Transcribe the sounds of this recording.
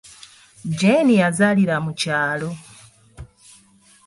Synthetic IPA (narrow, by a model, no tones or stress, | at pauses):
d͡ʒenijazaliɾamucaːlo